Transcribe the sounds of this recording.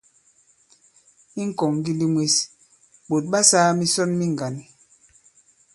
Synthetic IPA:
i˦ŋ̩˦kɔ˨ŋɡi˦li˦mwe˦s | ɓo˨t̚ɓa˦saː˦mi˦sɔ˦nmi˦ŋ˨ɡa˨ni˨

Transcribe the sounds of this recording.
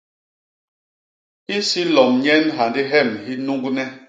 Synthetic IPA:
i˦si˦lɔ˨mɲɛ˦nɦa˨ndi˦ɦɛ˦˨mhi˦nu˦ŋɡnɛ˦

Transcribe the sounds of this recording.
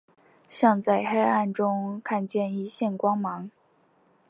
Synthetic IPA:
ɕjɑ˥˧ŋt͡sa˥˩ɪxe˥ɪa˥˩nʈ͡ʂʊ˥ŋkʰa˥˧nt͡ɕjɛ˥˩ni˥ɕjɛ˥˩nkwɑ˥ŋmɑ˧˥ŋ

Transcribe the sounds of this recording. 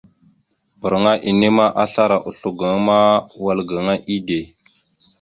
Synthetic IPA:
bə˨ɾŋa˦ʔi˨ne˦ma˦ʔa˦ɬa˦ɾa˨ʔu˨ɬu˨ɡə˨ŋ˦ma˦wa˨lɡə˨ŋa˦ʔi˦de˨

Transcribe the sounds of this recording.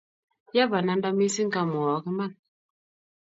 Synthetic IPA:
ja˦ba˨na˨˦n˦da˦mi˦si˦ŋ̩˦ka˦mɔ˨˦ke˦ma˦˨n

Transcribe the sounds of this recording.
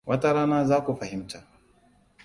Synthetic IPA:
wʔa˦ta˦ɾaː˦na˦za˦ku˨fa˨hi˦m̩ta˨

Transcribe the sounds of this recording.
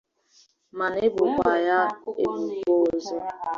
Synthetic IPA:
ma˨n˦e˦bʊ˨kʷa˨ja˦e˦bu˨ko˦˨zɔ˦

